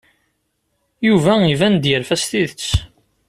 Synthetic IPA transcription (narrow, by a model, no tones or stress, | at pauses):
juvæivænd̪jəɾfæst̪iðət͡sː